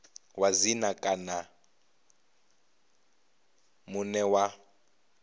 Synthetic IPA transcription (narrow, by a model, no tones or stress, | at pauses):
wazinakʼana | munɛwa